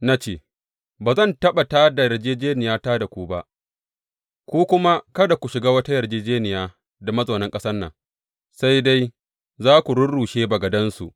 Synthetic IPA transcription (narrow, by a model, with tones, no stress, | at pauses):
na˦t͡ʃeː˦˨ | baː˨zɐ˦˨ntɐ˦ɓa˨taː˦da˨jɐ˨rd͡ʒeː˦d͡ʒeː˦nɪ˨jaː˦taː˦da˨kʷu˦ba˦ʔ | kʷuː˦kʷʊ˦ma˦kɐ˦da˨kʷu˨ʃɪ˨ɡaː˦wɐ˦ta˦jɐ˨rd͡ʒeː˦d͡ʒeː˦nɪ˨jaː˦ | da˨mɐ˦zoː˨nɐ˦ŋkʼɐ˦sɐ˦rnːɐ̰˨ŋ | sa˦jda˦j | zaː˦kʷu˨ɽʊ˦nɽuː˨ʃeː˦bɐ˨ɡɐ˨dɐ˦nsṵ˨ʔ